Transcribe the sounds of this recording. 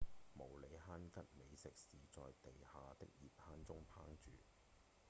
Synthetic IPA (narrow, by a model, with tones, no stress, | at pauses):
mo˨˩wle˨˧jɦaː˥nkɐ˥t̚me˨˧jsɪ˨k̚siː˨˥t͡sɔː˨jt̪e˨jhaː˨t̪ɪ̰˥k̚jiː˨˩p̚haː˥nt͡sʊ˥ŋpʰa̰ː˥ŋt͡ʃyː˨˩